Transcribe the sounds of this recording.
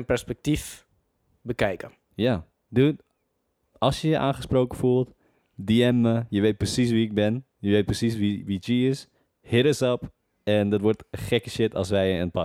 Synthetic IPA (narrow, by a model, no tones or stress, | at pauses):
ənpɛrspɛk̚tif | bəkɛjkə | ja | dø | ʔɑlˠsjəjəʔa̰ːnχəsproːkəfulˠt | diɛməjəʋejt̚prəsis̬ʋiɪɡ̚bɪn | jəʋejt̚prəsis̬ʋiʋitjiɪs | hɪɾəsɔp | ɛndɔtʋɔrtəχɛkəʃɪtʰɔ̰lˠsʋɛjənpa